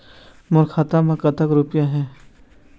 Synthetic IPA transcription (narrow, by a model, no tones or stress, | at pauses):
mʊɾkʰaːt̪amãkɐt̪əkɾupjaɦɛ̃ː